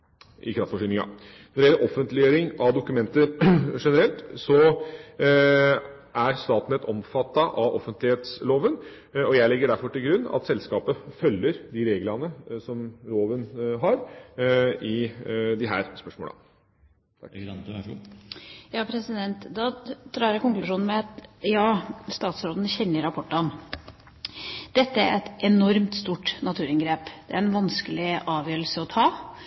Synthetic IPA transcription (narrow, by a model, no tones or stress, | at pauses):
ʔɪ̰kʰɾɑft̪fɔʂʏnɪŋɑ̰ | nɔɖɛjɛlːəɾʔɔfənt̪lɪøːɾɪŋʔɑd̪ʊkʉmɛnt̪əʂɛnəɾɛlt̪sɔ | ʔæɾst̪ɑːt̪n̩ɛt̪ɔmfɑt̪ːɑʔɑʋɔfənt̪lɪheːt̪sloːʋən | ɔjæɪlɛɡːəɖæɾfɔʈɪlɡɾʉnːɑ̰t̪sɛlskɑːpəfœlːəɾd̪ɪɾeːɡlɑnəsɔmloːʋənɦɑɾ | ɪd̪ɪɦæ̰ːɾspœʂmo̰ːlə̰ | t̪ʰɑ | jɑːpʰɾɛsɪd̪ɛnt̪d̪ɑd̪ɾɑːɾjækʊŋklʉʂuːnn̩mɛɑt̪jɑːst̪ɑːt̪sɾoːd̪n̩çɛnːəɾɑpʰɔʈːəɔn | d̪̥ɛt̪ːəæɾɛt̪ɛnɔɾmt̪st̪uːʈnɑt̪ʰʉːɾɪnɡɾeːpd̪̥ɛæɾɛnʋɑnskəlɪʔɑːʋjøːɾəlsəɔt̪ʰɑː